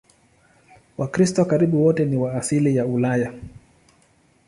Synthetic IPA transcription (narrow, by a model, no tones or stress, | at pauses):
wakɾistɔwakaɾiɓuwɔtɛniwaːsilijaulaja